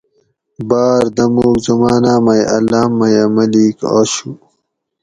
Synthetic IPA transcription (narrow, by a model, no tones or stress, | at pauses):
baːɾd̪ɐmuːkzɐmaːnaːmɐjʔɐ̰laːmːɐjamɐlika̰ːɕu